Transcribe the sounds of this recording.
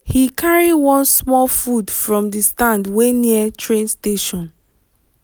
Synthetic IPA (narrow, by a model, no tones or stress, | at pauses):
hikʰaɹiwɔ̃nsmɔlfudfɹɔ̃mdistãndweniətʰɹẽnsteʃɔ̃n